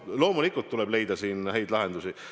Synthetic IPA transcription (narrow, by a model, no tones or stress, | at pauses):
lo̞ːmulikːˑult̪ːulɛ̞b̥le̞jd̪ɑsiːnhæjd̪̥lɑɦe̞nd̪̥usi